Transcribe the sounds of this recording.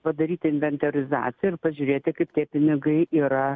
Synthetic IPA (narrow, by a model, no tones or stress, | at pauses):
pɐd̪ɐɾʲiːt̪ʲɪɪnʲʋʲɛnʲt̪ɐɾʲɪzɑ̰ːt̪sʲɪjɛɪrpɐʒʲuʊɾʲeːt̪ʲɪkɐɪpt̪ʲiɛpʲɪnʲɪɡɐɪiːɾɐ